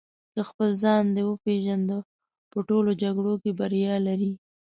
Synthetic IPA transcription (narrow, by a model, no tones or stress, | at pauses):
kəxpəlzɑnd̪əwəpeʒand̪ə | pəʈolod͡ʒaɡɽokebaɾjɑlaɾi